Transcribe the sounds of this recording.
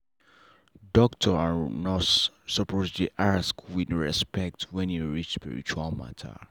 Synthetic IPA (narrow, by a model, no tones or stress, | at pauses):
dɔktʰɔanɔtsəpozliʔaskwidɹɛspɛk̚tʰwɛ̃njuɹit͡ʃspḭɹḭt͡ʃualˠma̰tʰə̰